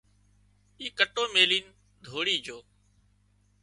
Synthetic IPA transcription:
iːkəʈoːmeːliːn | d̪ʱoːɽiːd͡ʒoː

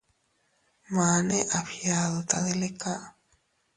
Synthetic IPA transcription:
maneʔaɸjaðot̪aðelekaʔ

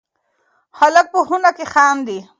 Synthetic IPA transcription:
halək̚pəɦunakexaːmd̪i

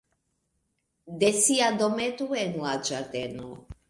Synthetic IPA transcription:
d̪esiad̪omet̪uenuad͡ʒat̪eno̰

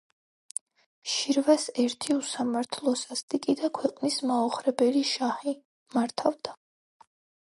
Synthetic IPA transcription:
ʃiɾvasɛɾt̪ʰiusamaɾt̪ʰlˠɔsast̪ʼikʼid̪akʰwɛqʼnismaɔχɾɛbɛliʃahi | maɾt̪ʰavd̪a

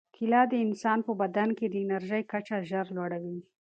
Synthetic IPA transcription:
kʰɪlɑd̪əɪnsɑnpəbad̪anked̪əɪnaɾʒəjkat͡ʃaʒəɾlwaɽawi

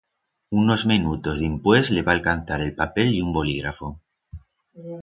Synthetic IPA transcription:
uno̞zminut̪o̞zðimpwezleβaːlkan̟θaɾe̞lpapeljumbo̞liɣɾafo

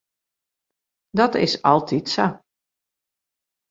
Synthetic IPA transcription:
dɔtɪ̰sɑlˠtʰitsa

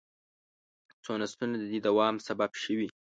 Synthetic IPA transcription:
t͡sonast̪unad̪əd̪id̪awɑmsababʃəwi

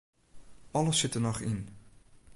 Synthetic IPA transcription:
ɑləsɪtənɔχɪn

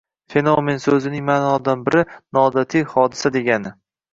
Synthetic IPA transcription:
fe̞nome̞nsɵzɪnɪŋmaːnɒd̪anbɪɾʔɪnɒːd̪at̪ʰijhɒd̪ɪsad̪e̞ɡʲanɪ

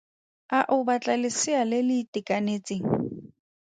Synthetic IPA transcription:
aʔʊbat͡ɬʼalɪsɪalɪlɪtʼɪkʼanet͡sʼeːŋ̩

